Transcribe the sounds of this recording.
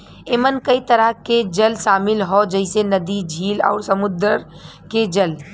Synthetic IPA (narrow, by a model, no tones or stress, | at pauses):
eːmənkəit̪əɾaɦked͡ʒəlʃaːmɪlɦɔd͡ʒəɪsenɐd̪id͡ʒʱiːlɔ̰ːɾsəmʊd̪əɾ | ked͡ʒəl